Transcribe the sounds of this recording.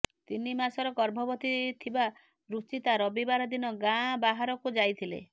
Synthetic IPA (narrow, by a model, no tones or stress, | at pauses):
t̪inimasɔɾɔɡɔɾbʱɔbɔt̪it̪ʰiba | ɾut͡ʃit̪aɾɔbibaɾɔd̪inɔɡãbaɦaɾɔkud͡ʒajt̪ʰilḛ